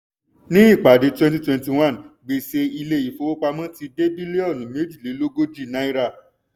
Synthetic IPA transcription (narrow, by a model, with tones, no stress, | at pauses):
nĩ˦i˦˨k͡pa˨de˨˧˦twɛ̃˦nt̬i˦twɛ̃˧˦nti˨w̃ã˦˨nɡ͡be˨se˧i˧le˧i˨fo˧o˦k͡pa˧mã˦ti˧de˦bi˦le˦ɔ˦˨nũ˨˦me˨˦d͡ʒi˦˨le˨˦lo˦ɡo˦d͡ʒi˦˨nã˦i˦ɾa˧˨